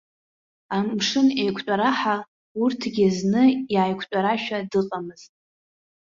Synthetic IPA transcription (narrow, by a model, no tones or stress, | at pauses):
amʂɨnejkʷʰt͡ʃʷʼaɾaħa | urtʰɡʲɪznɨjaːjkʷʰt͡ʃʷʼaɾaʃᶣadɨqʼamɨz̥tʼ